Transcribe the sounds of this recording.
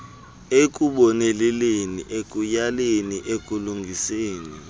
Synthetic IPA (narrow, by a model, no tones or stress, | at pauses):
ek̬ʼuɓɔnɛlɛleniʔekʼujaleniʔekʼuluŋɡʱiseːni